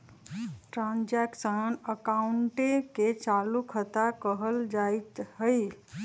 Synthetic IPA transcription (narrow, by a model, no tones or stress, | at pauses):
ʈɾãnd͡ʒɛksənəkauɳʈeket͡ʃalukʰət̪akəɦəld͡ʒajt̪ɦəj